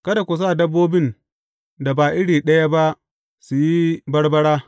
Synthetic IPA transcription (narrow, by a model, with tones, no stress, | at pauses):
kɐ˦da˨kʷʊ˨s̬aː˦˨dɐ˦bːoː˦bɪ˦˨n | da˨baː˨ʔɪ˦ɽiː˨ɗɐ˦ja˦ba˦ʔ | su˨ji˦bɐ˦ɽbɐ˦ɽaː˦